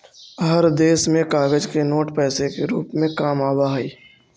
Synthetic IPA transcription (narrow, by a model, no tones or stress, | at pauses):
ɦəɾd̪eːsmẽkaːɡəd͡ʒkenoːʈpɛːsekeɾuːpmẽkaːmaːbaɦiː